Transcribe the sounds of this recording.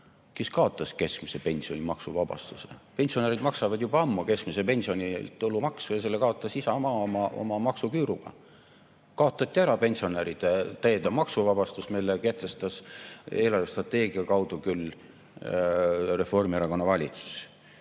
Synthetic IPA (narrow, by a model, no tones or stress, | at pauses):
keskɑo̞t̪ːˑɑske̞skmise̞pe̞nʲsio̞nʲimɑksuvɑb̥ɑ̰st̪usḛpe̞nʲsio̞neɾid̪mɑksɑvɑd̪̥jubɑɑmːuke̞skmise̞pe̞nʲsio̞nʲit̪ːulːumɑksujɑse̞lːekɑo̞t̪ːˑɑsisɑmɑːmɑʔo̰mɑmɑksukyːɾuɡ̥ɑ̰ | kɑo̞t̪ːˑɑt̪ːˑiæɾɑpe̞nʲsio̞neɾid̪̥et̪æjed̪ɑmɑksuvɑb̥ɑst̪usmilːeke̞ht̪e̞st̪ɑse̞ːlɑrvest̪rɑt̪ːe̞ːɡiɑkɑwd̪̥ukylː | re̞fo̞rmieɾɑko̞nːɑvɑlʲit̪su̥s